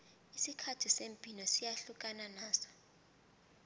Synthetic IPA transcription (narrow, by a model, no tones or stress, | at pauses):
isikʰatʰisempʼinɔsijaɬukʼananaːsɔ̥